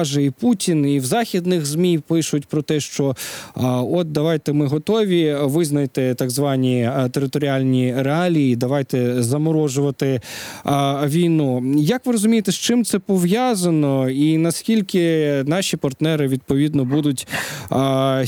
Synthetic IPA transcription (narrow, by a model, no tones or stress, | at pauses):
ʒɛiputʲiniwzɑxʲid̪nɪxzmʲijpɪʃʊtʲpɾɔt̪ɛʃt͡ʃɔ | ɔt̪̚d̪ɐʋɑjt̪ɛmɪɦɔt̪ɔʋʲiʋɪznɐjt̪ɪt̪ɑɡzʋɑnʲit̪eɾɪt̪ɔɾʲɪɑlʲnʲiɾeɑlʲiːd̪ɐʋɑjt̪ɛzɐmɔɾɔʒʊʋɐt̪ɪ | ʋʲijnujɐkʋɪɾɔzʊmʲijt̪ɛst͡ʃɪmt̪sɛpɔʋjɑzɐnɔinɐskʲilʲkɪnɑʃʲipɐrt̪nɛɾɪʋʲid̪̚pɔʋʲid̪nɔbud̪ʊtʲ